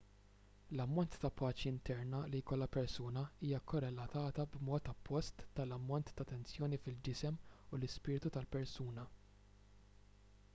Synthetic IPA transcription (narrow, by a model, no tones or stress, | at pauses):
lɐmːɔnt̪ːɐpʰɐːt͡ʃiɪnt̪ɛɾnɐlijkɔlːɐpɛɾsuːnɐiːjɐkɔɾɛlɐt̪ɐːt̪ɐbmɔːt̪ɐpːɔst̪ːɐlɐmːɔnt̪ːɐt̪ːɛnt͡sjɔːnifɪld͡ʒɪsɛmulɪspɪːɾt̪ut̪ɐlpɛɾsuːnɐ